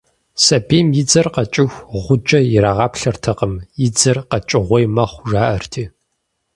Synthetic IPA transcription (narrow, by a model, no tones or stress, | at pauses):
sɐbeːmjɪd͡zɐrqɐt͡ʃʼɪxʷʁʷʊd͡ʒʼɐjɪɾaːʁɑːpɬɐrtʰɐqəmjɪd͡zɐrqɐt͡ʃʼɪʁʷɔjmɐχʷʒaːʔɐrtʰiː